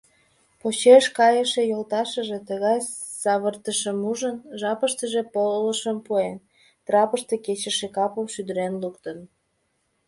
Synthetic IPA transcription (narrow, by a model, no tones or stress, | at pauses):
pot͡ɕeʃkɑjəʃejolt̪ɑʃəʒet̪əɣɑj | sɑβərt̪əʃəmuʒənʒɑpəʃt̪əʒepoləʃəmpuen | t̪rɑpəʃt̪eket͡ɕəʃekɑpəmʃyd̪əɾenlukt̪ən